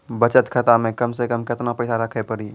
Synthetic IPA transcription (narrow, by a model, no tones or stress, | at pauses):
bət͡ʃət̪kʰət̪amẽkəmsekəmkɪt̪napɛɪsaɾəkʰepəɾiː